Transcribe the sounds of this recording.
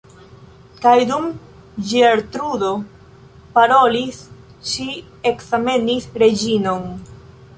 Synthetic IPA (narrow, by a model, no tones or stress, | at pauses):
kajdum | d͡ʒieɾt̪ɾudo̞ | paɾo̞lis | ʃi | e̞kzame̞nisɾe̞d͡ʒino̞n